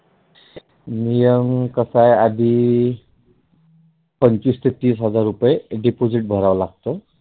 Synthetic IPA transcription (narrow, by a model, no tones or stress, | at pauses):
nijəmkəsajad̪ʱi | pənt͡ɕist̪ʰet̪iːsɦəd͡zaɾːupjeɖipod͡ziʈ̚bʱəɾaʋlaɡ̚t̪ə